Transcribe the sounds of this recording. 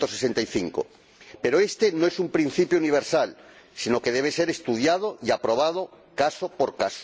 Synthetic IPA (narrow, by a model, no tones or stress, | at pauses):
t̪o̞sesent̪ajθiŋko̰ | pe̞ɾoe̞st̪e̞noesumpɾin̟θipjouniβ̞eɾsal | sino̞ke̞ðe̞β̞eseɾest̪uð̞jað̞oiapɾo̞β̞að̞o | kasopoɾkas